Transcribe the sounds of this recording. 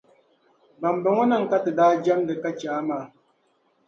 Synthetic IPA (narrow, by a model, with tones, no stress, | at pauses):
ba˨m˨bɔ˨ŋo˦na˦˨ŋ̩˨ka˦tɨ˨daː˦d͡ʒa˦mdə˨ka˦t͡ʃaː˨˦ma˨˦